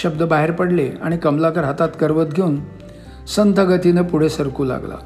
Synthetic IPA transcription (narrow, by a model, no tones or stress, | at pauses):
ɕəbd̪əbaɦeɾpəɽleaɽ̃ikəmlakəɾɦət̪at̪kəɾʋət̪ɡʱeuːn | sənt̪ʰəɡət̪inəpuɽ̤esəɾkuːla̰ɡla̰